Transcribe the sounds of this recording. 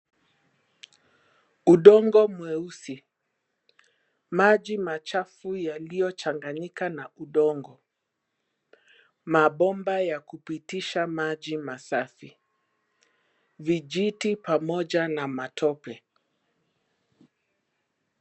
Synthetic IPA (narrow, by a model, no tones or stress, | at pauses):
uɗɔŋɡɔmwɛusi | maʄimat͡ʃafujalijɔt͡ʃaŋɡaɲikanauɗɔŋɡɔ | maɓɔmbajakupitiʃamad͡ʒimasafi | vid͡ʒitipamɔʄanamatʰɔpɛ